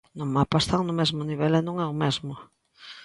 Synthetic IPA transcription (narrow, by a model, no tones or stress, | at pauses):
nõŋmapast̪aŋnʊmezmʊniβɛlɛnõŋɛʊmezmʊ